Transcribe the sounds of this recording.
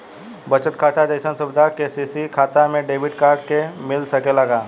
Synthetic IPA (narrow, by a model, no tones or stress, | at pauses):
bɐt͡ʃət̪kʰaːʈʰad̪əjʃənsʊbɪd̪ʱakesiːsikʰaːt̪amẽɖeːbɪʈkaːɾɖkemɪlsɐkelɐɡaː